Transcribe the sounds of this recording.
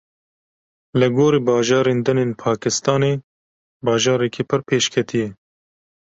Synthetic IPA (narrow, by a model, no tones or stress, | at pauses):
lɨɡoːɾiːbɑːʒɑːɾeːnd̪ɨneːnpʰɑːkɪst̪ɑːneː | bɑːʒɑːɾɛkʰiːpʰɨɾpʰeːʃkʰɛt̪ʰijɛ